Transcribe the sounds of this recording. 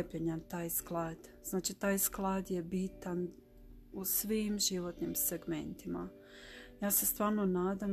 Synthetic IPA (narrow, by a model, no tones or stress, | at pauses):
epeɲant̪aːjsklaːd̪̥z̥naːt͡ʃit̪aːjsklˠaːd̪je̞biːt̪an | usʋimʒiʋo̞t̪nimseɡme̞̰nt̪ima | jaːsest̪ʋaːɾnonaːd̪am